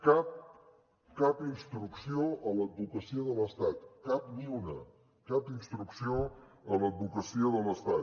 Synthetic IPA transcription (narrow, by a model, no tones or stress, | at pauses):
kap̚ | kapinst̪ɾuksioələd̪̚bukəsiəðələst̪at̪kaplunə | kapinst̪ɾuksioələd̪̚bukəsiəðələst̪at̪